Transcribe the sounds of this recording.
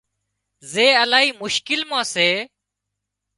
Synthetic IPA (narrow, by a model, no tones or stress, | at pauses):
zeːəlaːɦiːmʊʃkɪlmãːseː